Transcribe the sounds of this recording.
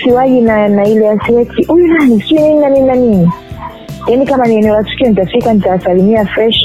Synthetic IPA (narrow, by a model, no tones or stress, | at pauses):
siwaʄinanailɛjasiwɛk̚tiʔujunanisi̥kiwinininanininanini | janikamaniɛnɛɔlatu̥kiɔnitafikanitawasalimiafɾɛʃ